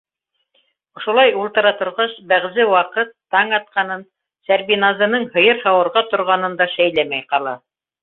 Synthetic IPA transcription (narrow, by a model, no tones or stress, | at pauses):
ŏʃŏlˠɑjulˠt̪ɤ̆ɾɑt̪ŏɾʁɑɕbæʁzɘwɑqɤt̪ːɑɴɑt̪̚qɑnɤn | sæɾbinɑzɤ̆nɤɴhɤ̆jɤɾhɑwɤ̆ɾʁɑt̪ŏɾʁɑnɤ̆nd̪ɑʃæjlæmæjqɑlˠɑ